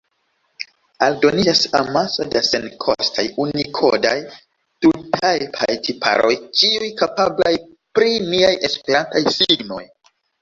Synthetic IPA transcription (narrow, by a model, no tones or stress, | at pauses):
aldo̞nid͡ʒasamasodasenkʰo̰stʰajunikʰodaj | tutʰajpʰajtʰipʰa̰ɾʔo̞̰jt͡ʃiujkapablaj | pɾiniaje̞spe̞ɾantajsiɡno̞̰j